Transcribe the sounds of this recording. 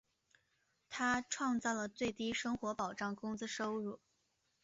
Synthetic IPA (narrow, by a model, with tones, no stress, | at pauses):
t̪ʰa˥ʈ͡ʂʰwɑ˥˧ŋt͡sɑ˥˩ʊlə˩t͡swe˥˩ɪt̪i˥ʂɤ˥ŋxwɔ˧˥pɑ˨˩ʊʈ͡ʂɑ˥˩ŋkʊ˥ŋt͡sɹ̩˥ʂo˥ʊɻu˥˩